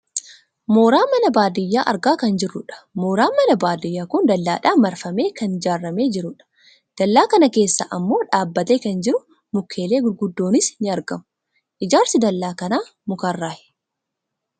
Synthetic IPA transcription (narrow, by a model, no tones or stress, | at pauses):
mo̞ːɾaːmɐnɐbaːd̪ɪjːaːʔɐ̰ɾɡaːkɐnd͡ʒɪrːʊᶑɐ̥moːɾaːmɐnɐbaːd̪ɪjːaːkʊnd̪ɐlːaːᶑaːmɐɾfɐme̞ːkɐnd͡ʒaːrːɐme̞ːd͡ʒɪɾʊᶑɐ̥ | d̪̥ɐlːaːkɐnɐke̞ːsːɐ̰ʔɐmːo̞ːᶑaːbːɐt̪eːkɐnd͡ʒɪɾʊ | mʊkʰːe̞ːleːɡʊd̪ːo̞ːnɪsnɪɐɾɡɐmʊ | ʔɪd͡ʒaːɾsɪd̪ɐlːaːkɐnaːmʊkɐrːaːhɛ̥